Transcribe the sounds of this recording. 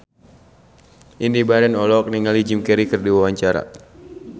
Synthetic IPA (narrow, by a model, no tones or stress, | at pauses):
ʔindibaɾɛnɔlɔk̚niŋalid͡ʒimkɛɾikɨrdiwawaɲt͡ʃaɾa̰